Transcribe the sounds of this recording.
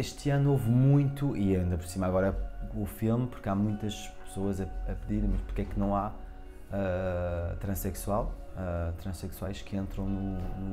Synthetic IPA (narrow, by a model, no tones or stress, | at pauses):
eʃt̪ɐnuovmũj̃t̪uʔiɐĩnd̪ɐpɾsimaɣɔɾɐufilˠmpuɾkamũj̃t̪ɐʃ | pɨ̥soɐzɐɐpɨðiɾ̃mɐʃpuɾkɛknɐ̃w̃a | ɛ | t̪ɾɐ̃ʃsɛkswalˠɛt̪ɾɐ̃ʃsɛkswajʃkẽnt̪ɾɐ̃w̃nunu